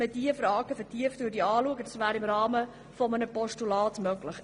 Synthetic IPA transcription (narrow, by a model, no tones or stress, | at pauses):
ədiəfrɑːɡəfɛrtiəftd̥uːdiɑːluəɡədɑsvæːɾɪmrɑːmə | fɔmənəpɔʃtulɑːtmœɡləχ